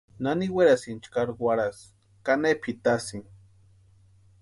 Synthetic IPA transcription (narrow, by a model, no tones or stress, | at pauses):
naniweɾasint͡ʃkaɾɡwaɾas | kanepʰit̪asiŋ